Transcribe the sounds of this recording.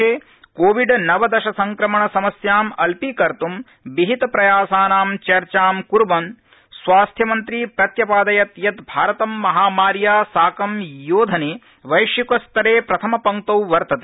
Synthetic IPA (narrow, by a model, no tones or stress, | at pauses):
eː | koːʋiɖnɐʋɐd̪ɐʃɐsɐŋkɾɐmɐɳɐsɐmɐsjaːmɐlpiːkɐɾt̪um | biɦit̪ɐpɾɐjaːsaːnaːmt͡ʃɐɾt͡ʃaːmkuɾbɐn | sʋaːst̪ʰjɐmɐnt̪ɾiːpɾɐt̪jɐpaːd̪ɐjɐt̪jɐt̪bʱaːɾɐt̪ɐmːɐɦaːmaːɾjaːsaːkɐmjoːd̪ʱɐneː | ʋɐjʂjikɐst̪ɐɾeːpɾɐt̪ʰɐmɐpɐŋt̪ɐwʋɐɾt̪ɐt̪e